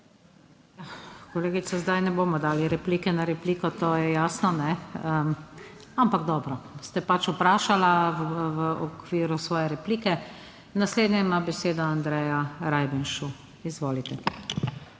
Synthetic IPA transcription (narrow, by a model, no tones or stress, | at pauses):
jakɔleːɡit̪sazd̪ajnɛboːmɔd̪aːliɾɛpliːkɛnaɾɛpliːkɔt̪oːjɛjaːsnɔnɛə | ampaɡd̪ɔːbɾɔst̪ɛpat͡ʃupɾaːʃalaʋʋəʔɔkʋiːɾusʋɔːjɛɾɛpliːkɛ | nasleːd̪nʲɛimabɛseːd̪ɔand̪ɾɛjaɾajbɛnʃu | izʋoːlit̪ɛ